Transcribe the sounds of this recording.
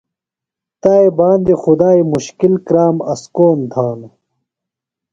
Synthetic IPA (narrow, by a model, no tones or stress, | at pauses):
t̪aːebãːnd̪ixud̪aːimuɕkilkɾaːmɐskoːnd̪ʱaːn